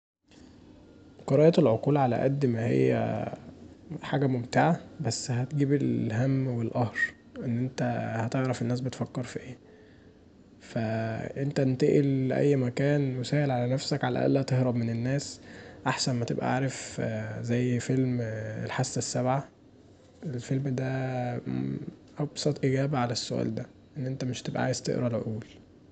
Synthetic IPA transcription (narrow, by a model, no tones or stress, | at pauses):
qoɾˤɑːjɑt̪lʕoquːlʕalæ̰ʔæ̰d̪ːmæhḛjːæ̰ | ħaːɡæmomt̪eʕabæsːhæt̪ɡiːbelɦæmːwelʔɑhɾ | ʔenːʔent̪æhæt̪eʕɾˤɑfenːæːs̬bet̪fækːeɾˤfiʔeː | fæʔent̪ænt̪eʔelʔæ̰jːmækæːnwesæːhelʕalænæfsækʕalæ̰ʔæ̰lːhæt̪ehɾɑbmenenːæːsʔaħsænmæt̪ebʔæ̰ʕaːɾefzæjːfelmḛlħasːesːæbʕa | ʔelfelmd̪æ | ʔɑbsˤɑt̪ˤʔiɡæːbæʕalæsːoʔæ̰ːld̪æ | ʔenːʔent̪æmeʃt̪ebʔæ̰ʕaːjezt̪ḛʔɾɑlʕo̰ʔuːl